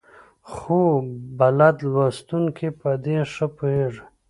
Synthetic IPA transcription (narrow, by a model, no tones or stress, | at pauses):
xubalad̪lwast̪uŋkʰipad̪eʂəpueʐ